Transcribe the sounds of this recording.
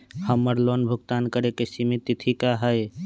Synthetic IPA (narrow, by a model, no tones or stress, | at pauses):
həməɾlonbʱʊɡt̪aːnkəɾekesimit̪ːit̪ʰikaɦəj